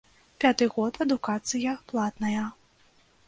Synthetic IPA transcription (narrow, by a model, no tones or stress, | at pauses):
pʲat̪ɨɣɔt̪ɐd̪ukat̪sɨjɐplˠat̪nɐjɐ